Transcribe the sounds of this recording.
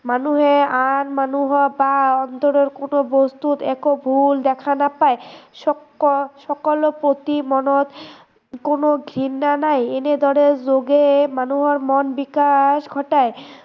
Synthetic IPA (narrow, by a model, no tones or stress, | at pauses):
manuɦeanmanuɦɔbaɔnt̪oɾeɾkonobost̪ut̪ɛkobʱuld̪ɛkʰanapaeʃɔ | ʃɔkolopɾot̪imɔnot̪ | konoɡʱɾinːanajened̪ʱɔɽeɾd͡ʑoɡemanuɦoɾmɔnbikaʃɡʱɔʈae